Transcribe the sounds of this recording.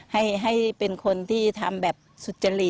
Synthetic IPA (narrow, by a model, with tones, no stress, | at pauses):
ha˥˩jɦa˥˩jpe˧nkʰo˧nt̪ʰiː˥˩t̪ʰa˧mbɛː˨˩p̚su˨˩t̪̚t͡ɕa˧li˨˩